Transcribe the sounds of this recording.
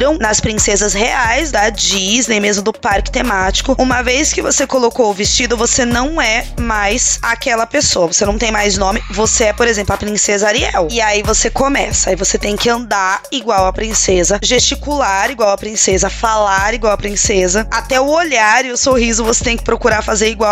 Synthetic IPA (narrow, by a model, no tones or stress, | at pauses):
ɾɐ̃w̃nɐspɾĩsezɐzheajzd̪ɐd͡ʒiznejmezmʊd̪ʊpaɾkɪ̥t̪emat͡ʃi̥kʊũmɐvejskɪvosekolokoʊvɪst͡ʃid̪ʊvosenɐ̃w̃ɛmajsakɛlɐpesowɐvosenɐ̃w̃t̪ẽj̃majznõmɪvoseɛpoɾezẽplɐpɾĩsezɐaɾiɛwɪaivosekõmɛsɐaivoset̪ẽj̃kɪɐ̃nd̪aɾiɡwawɐpɾĩsezɐʒest͡ʃikulaɾiɡwawɐpɾĩsezɐfalaɾiɡwawɐpɾĩsezɐat̪ɛʊoʎaɾɪʊsohizʊvose̥t̪ẽj̃kɪ̥pɾokuɾaɾfazeɾiɡwaw